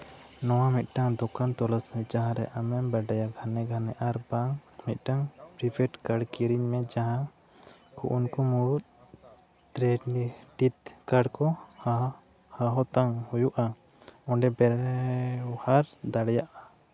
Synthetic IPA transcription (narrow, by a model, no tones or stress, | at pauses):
nɔwamit̪̚ˀʈaŋd̪ɔkant̪ɔlasmɛd͡ʒaɦãɾɛʔamɛmbaɖajaɡʱanɛɡʱanɛʔaɾbaŋmit̪̚ˀʈaŋpɾipʰɛʈkaɽkiɾiɲmɛd͡ʒaɦã | kʰṵʔunkɔmuɽut̪̚ | t̪ɾɛʈit̪kaɽkɔh | haɦɔt̪aŋhujuʔa | ɔ̃ɳɖɛbɛɾ | haɾd̪aɽɛjaʔa